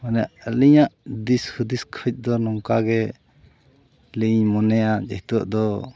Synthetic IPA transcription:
manɛaʔəliɲaʔd̪ishʰud̪iskʰəc̚ˀd̪ɔnɔŋkaɡɛ | liɲmɔnɛjad͡ʒɛht̪uə̰ʔd̪ɔ

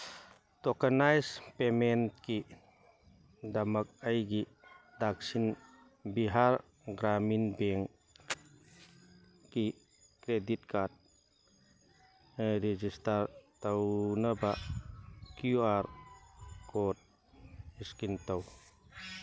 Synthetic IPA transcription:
tɔkanajspemɛnt̚ki | d̪amɐk̚ɐjɡi | dak̚sin | biɦaɾ | ɡɾaminbɛŋ | ki | kɾedit̚kad̚ | ɾɛd͡ʒistaɾt̪awnabaʔ | kjuaɾ | kɔt̚ | iskint̪aw

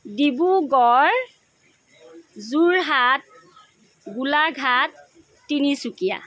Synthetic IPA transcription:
dibuɡɔɹ | zuɹɦat̚ | ɡulaɡʱatː | inisukija̰

